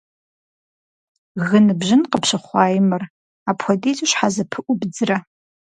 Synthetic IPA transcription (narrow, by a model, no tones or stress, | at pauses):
ɣɨnɨbʒɪnqəpɕɐχʷɑːjɪmɨr | aːpʰxʷɔdeːzʼuɕħazɐpʰɨʔʷʊbd͡zɨrɐ